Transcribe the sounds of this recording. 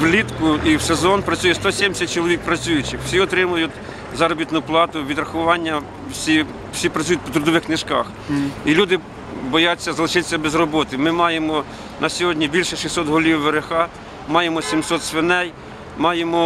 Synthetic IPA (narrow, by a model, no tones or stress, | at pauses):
ʋlʲit̪kʊiwsezɔnpɾɐt͡sʲujɛst̪ɔsʲɛmʲsʲɐt̚ʲt͡ʃɔlˠɔʋʲik̚pɾɐt͡sʲujʊt͡ʃɪxwsʲiɔt̪ɾɪmʊjʊtʲ | zɑɾɔbʲit̪nʊplˠɑt̪ʊʋʲid̪ɾɐxʊʋɑnʲːɐ | wsʲi | wsʲipɾɐt͡sʲujʊt̪̚ʲpɔt̪ɾʊd̪ɔʋɪxknɪʃkɑx | ilʲud̪ɪ | bɔjɑt͡sʲːɐzɐlˠɪʃɪt̪e̥sʲːɐbezrɔbɔt̪ɪmɪmɑjemɔ | nʔɐsʲɔɦɔdʲnʲibʲilʲʃɛʃisɔt̪ɦɔlʲiwːeɾexɑ | mɑjemɔsʲimsɔt̪sʋɪnɛj | mɑjemɔ